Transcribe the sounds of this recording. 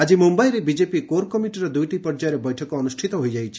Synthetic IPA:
ad͡ʒimumbajɾebid͡ʒepikoɾkɔmiʈiɾɔd̪ujʈipɔɾd͡ʒaɾebɔjʈʰɔkɔːnusʈʰit̪ɔɦojd͡ʒajʰi̥

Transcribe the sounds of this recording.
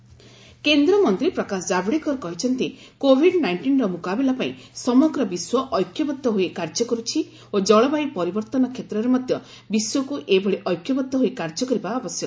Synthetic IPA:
kend̪ɾɔmɔnt̪ɾipɾɔkasɔd͡ʒabɽikɔɾɔkɔɦit͡ʃʰɔnt̪ikobʱiɖnajɳʈinɾɔmukabilapaḭ̃sɔmɔɡɾɔbiswɔʔɔjkʰjɔbɔt̪ːɔɦoikaɾd͡ʒɔkɔɾut͡ʃʰi | od͡ʒɔɭɔbaipɔɾibɔɾt̪ɔnɔkʰet̪ɾɔɾemɔd̪ʱjɔ | biswɔkuʔebɔɭiʔɔjkʰjɔbɔt̪ːɔɦoikaɾd͡ʒɔkɔɾibaːbɔsjɔk

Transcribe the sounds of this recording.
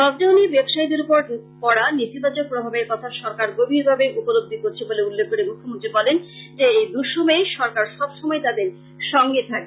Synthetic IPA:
ɾɔbd̪eonibɛbʃajd̪uɾupoɾ | kɔɽanit̪ibad͡ʑok̚pɾobʱabeɾkɔt̪ʰaʃɔɾkaɾɡobʱiɾbʱabeʔupolob̚d̪ʱikoɾt͡ɕʰeboleulːekʰːkoɾemukʰːomont̪ɾibɔlend͡ʑeejd̪uʃomejʃɔɾkaɾʃɔbʃɔmɔet̪ad̪eɾ | ʃɔŋɡet̪ʰake

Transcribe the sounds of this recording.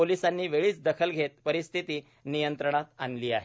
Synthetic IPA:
olisanːiːʋeɭiːt͡sd̪əkʰəlɡʱet̪̚pəɾist̪ʰit̪iː | nijənt̪ɾəɳ̃at̪anliːaɦe

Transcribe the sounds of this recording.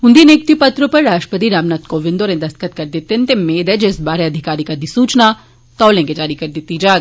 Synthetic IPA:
ʊ̃nd̪ineːk̚t̪ipɐt̪ɾopɐɾːaːʃʈəpət̪iɾaːʋnaːt̪koʋɪ̃nd̪oːɾẽd̪ɐst̪kət̪kɐɾd̪ɪt̪ːent̪emːeːd̪ɛd͡ʒɪsbaːɾeɐd̪ʱɪkaːɾikad̪isuːt͡ʃna | t̪ɔːlẽked͡ʒaːɾikɐɾd̪ɪt̪ːid͡ʒaːɡ

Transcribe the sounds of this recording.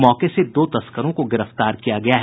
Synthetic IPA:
mɔːkesed̪oːt̪ɐskəɾõkoɡɪɾəft̪aːɾkijaɡɐjaɦ

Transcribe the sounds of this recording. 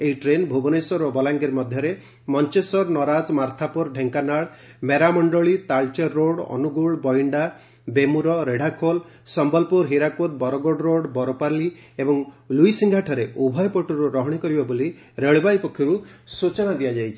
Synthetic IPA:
eɦiʈɾenbʱubɔnesɔɾɔbɔlaŋɡiɾmɔd̪ʱjɔɾe | mɔnt͡ʃesɔɾnɔɾad͡ʒmaɾt̪ʰapuɾɖʱeŋkanaɭ | meɾamɔɳɖɔɭit̪aɭt͡ʃɔɾːoɽɔ̰nuɡuɭbɔiɳɖa | bemuɾɔɾeɽ̤ʱakʰol | sɔmbɔlpuɾɦiɾakot̪̚bɔɾɔɡɔɖɾoɽbɔɾɔpaɾli | ebɔŋ | luisiŋɡʱaʈʰɔɾeʔubʱɔjpɔʈuɾuɾɔɦɔɽ̃ikɔɾibɔboli | ɾeɭbajpɔkʰːjɔɾusut͡ʃɔɽ̃ad̪ijad͡ʒajt͡ʃʰi̥

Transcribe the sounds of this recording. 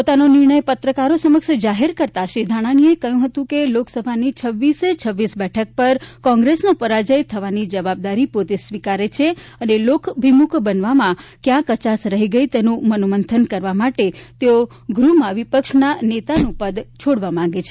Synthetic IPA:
pot̪anonɪɾɳəjpət̪ɾəkaɾosəməkʃd͡ʒaɦeɾkəɾt̪aʃɾid̪ʱaɽ̃aniekəjũɦət̪ũkeloksəbʱanit͡ʃʰəʋːiset͡ʃʰəʋːisbɛʈʰək̚pəɾkɔ̃ŋɡɾesnopəɾad͡ʒəjt̪ʰəʋanid͡ʒəʋab̚d̪aɾipot̪esʋikaɾet͡ʃʰeənelokʰbʱimukʰbənʋamãkjãkət͡ʃasɾəɦiɡəit̪enũmənomənt̪ʰənkəɾʋamaʈet̪eo | ɡɾumãʋipəkʃnanet̪anũpəd̪t͡ʃʰoɽʋamãɡet͡ʃʰe̥

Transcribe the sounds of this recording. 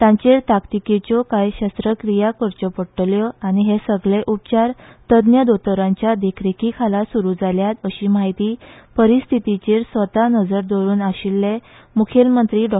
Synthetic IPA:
t̪ãɲt͡ɕeɾt̪akt̪iket͡ɕɔkajɕəst̪ɾəkɾijakəɾt͡ɕɔpəɽʈljɔañiɦesəɡɭeʔup̚t͡ɕaɾt̪əd̪njəd̪ot̪əɾãɲt͡ɕjad̪ekʰɾekikʰalasuɾuːd͡zaljat̪əɕiːmaɦit̪iːpəɾist̪ʰit̪it͡ɕeɾsʋət̪anəd͡zəɾd̪oɾuːnaɕilːe | mukʰelmənt̪ɾiːɖɔ

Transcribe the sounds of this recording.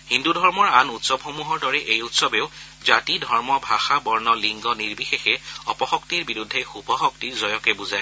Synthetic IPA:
hindudʱɔɹmɔɹanutsɔbxomuɦɔɹdɔɹɛʔejutsɔbeʊ | zatidʱɔɹmɔbʱaxabɔɹnɔliŋɡɔniɹbixexɛɔpɔxɔktiɹbiɹudʱːexubɔxɔk̚tiɹzɔjɔkɛbuzaj

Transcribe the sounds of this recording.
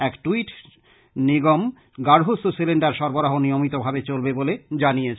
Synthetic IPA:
ɛkʈuiʈ | niɡom | ɡaɾɦososileɳɖaɾʃɔɾboɾaɦonijomit̪obʱabet͡ɕolbeboled͡ʑanijet͡ɕʰ

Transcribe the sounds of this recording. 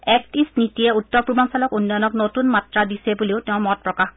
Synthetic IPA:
ɛk̚tisnitijɛutːɔɹpɹubʱansalɔkunːɔjɔnɔknotunmatɹadisɛbuleʊteʊ̃mɔt̚pɹɔkax

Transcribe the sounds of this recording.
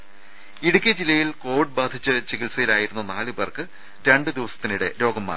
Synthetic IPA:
iɽukʲːɐd͡ʑilːɐjilko̞ːʋiɖ̚baːd̪ʱit͡ɕːɐt͡ɕikilsɐjilaːjiɾunːunaːlɨbɐrkɨ | ɾe̞ɳɖɨd̪iʋɐsɐ̥t̪ːinuɽe̞̰ɾo̞ːɡɐmːa̰ː

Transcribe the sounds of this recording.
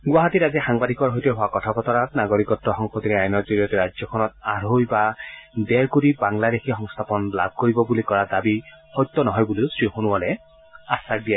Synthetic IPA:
ɡwaɦatitazixaŋbadʱikɔɹɦɔjtɛɦʊakɔtʰapɔtɔɹatnaɡoɹikɔtːɔxɔŋpʰɔtiɾɛajnɔɹzuɹijɔtɛɹad͡ʒzjɔkʰɔnɔtaɹojbadɛɹkuɹibaŋladexʰixɔŋst̪ʰapɔnla̰b̚ʱkoɹibɔbulikɔɹadabihɔjt̪ːɔnɔɦɔjbulisɹixonuwalɛ | asak̚dija

